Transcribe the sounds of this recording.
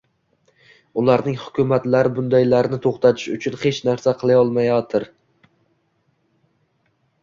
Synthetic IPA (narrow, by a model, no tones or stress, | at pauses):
ʊlˠaɾnɪŋhʊkʲʰʊmat̪laɾɪbʊnd̪ajlaɾɪnɪt̪ʰoχt̪ʰat̪ʰɪ̥ʃʊt͡ʃʰʊnhe̞t͡ʃnaɾsaqʰɨlˠajɒlˠmajɒt̪ʰɪɾ